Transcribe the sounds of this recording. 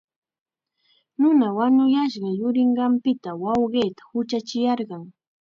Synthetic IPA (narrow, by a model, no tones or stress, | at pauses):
nʊnawaɲʊjaʃɢɑjʊɾɪɴɢɑmpɪt̪awɑwɢeːt̪ḁhʊt͡ʃat͡ʃɪjɑɾɢɑŋ